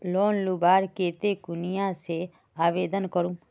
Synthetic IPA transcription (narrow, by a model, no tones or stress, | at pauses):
loːnlubaːɾkeːt̪ekʊnijãse | aːʋeːd̪ənkəɾũː